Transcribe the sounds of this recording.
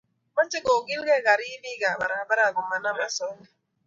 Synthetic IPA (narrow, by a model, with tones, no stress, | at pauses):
ma˦t͡ʃɪ˦ko˨ɡi˦lɡɛ˦˨ɣa˨ɾi˦bi˦ɡa˨ba˨ɾa˨ba˦ɾa˨ɡu˨ma˨na˦ma˦sɔ˦ni˦